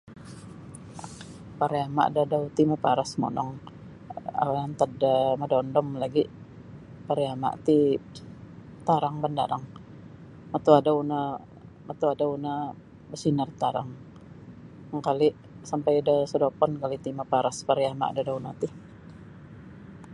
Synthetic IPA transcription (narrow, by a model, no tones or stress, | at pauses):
paɾiama̰ʔdadawt̪imapaɾasmɔ̰nɔ̰ŋ | a̰wajant̪adamadɔndɔmlaɡi | paɾiama̰ʔt̪i | t̪aɾaŋbanda̰ɾaŋ | mat̪uadauna | mat̪uadauna | bəsinərt̪aɾa̰ŋ | ŋkali | sampajdasədopɔnkalit̪imapaɾaspaɾiama̰ʔdadawnat̪i